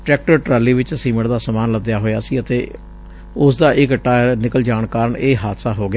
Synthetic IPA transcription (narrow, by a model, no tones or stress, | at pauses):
ʈɾɛːk̚ʈəɾʈɾaːliːʋɪt͡ʃsiːməɽd̪aːsəmaːnləd̪jaːɦoːjaːsiːət̪eː | ʊsd̪aːʔɪkʈaːnɪkəld͡ʒaːɳkaːɾəɳeːɦaːd̪saːɦoːɡɪja